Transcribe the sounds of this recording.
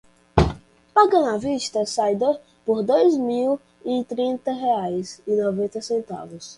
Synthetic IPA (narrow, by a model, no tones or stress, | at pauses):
paɡɐ̃naviʃt̪ɐsajd̪o | poɾd̪ojzmiw | it̪ɾĩnt̪ɐɦeajsinovẽnt̪ɐsẽnt̪a̰vʊs